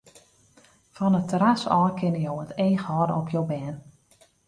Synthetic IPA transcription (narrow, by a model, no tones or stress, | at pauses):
fɔnətʰəɾasɔːkʰɪnəjowəteːxhɔːdɔpʰjowbɛːn